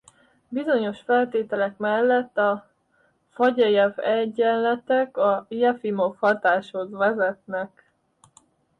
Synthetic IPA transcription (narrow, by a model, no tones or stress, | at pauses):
bizo̞ɲo̞ʃfɛlt̪eːt̪ɛlɛkmɛlːɛt̪ːɒ | fɒɟɒjɛvɛɟːɛlːɛt̪ɛkɒjɛfimo̞fhɒt̪aːʃhozʋɛzɛt̪nɛk